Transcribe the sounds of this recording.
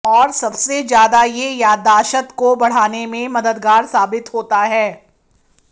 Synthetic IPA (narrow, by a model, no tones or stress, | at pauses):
ɔːɾsɐbsezjaːd̪ajejaːd̪ːaːʃət̪kobɐɽ̤aːnemẽmɐd̪əd̪ɡaːɾsaːbɪt̪ɦoːt̪aɦɛː